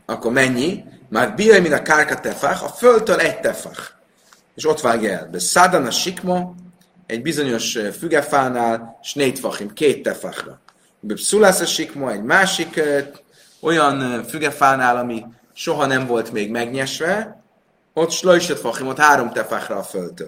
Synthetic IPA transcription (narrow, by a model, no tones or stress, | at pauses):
ɒkːo̞ɾmɛɲːi | maːrbijojmint̪ɒkarkɒt̪ɛfaχɒ̰føldt̪ølɛct̪ɛfa̰χ | eːʃo̞t̪ʋaːɡjɛ̰lbɛsad̪ɒnɒʃikmo | ɛɟbizo̞ɲo̞ʃfyɡɛfaːnaːlʃneːct̪fɒχimkeːt̪ːɛfa̰χrɒ̰ | bɛpsulasɒʃikmoɛɟmaːʃik | o̞jɒnfyɡɛfaːnaːlɒmi | ʃo̞ɦɒnɛɱvo̞lt̪meːɡmɛɡɲɛʃʋɛ | o̞t̪ʃlojʃet̪foχimot̪haːɾo̞mt̪ɛfaχrɒːfølt̪øːl